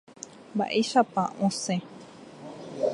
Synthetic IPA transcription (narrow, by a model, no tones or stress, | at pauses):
mba̰ʔejʃapaʔõsẽ